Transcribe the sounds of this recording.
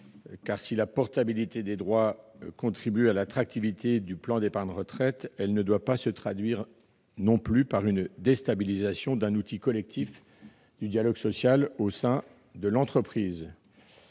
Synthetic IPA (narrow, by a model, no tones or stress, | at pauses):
kaʁsilapɔʁt̪abilit̪ed̪ed̪ʁwakɔ̃t̪χibyalat̪χak̚t̪ivit̪ed̪yplɑ̃d̪epaʁd̪ʁət̪χɛt̪ɛlnəd̪wapasət̪χad̪ɥiʁ | nɔ̃plypaʁynd̪est̪abilizasjɔ̃d̪ɛ̃nut̪ikɔlɛk̚t̪if | d̪yd̪jalɔɡsɔsjalosɛ̃ | d̪əlɑ̃t̪χəpχiːz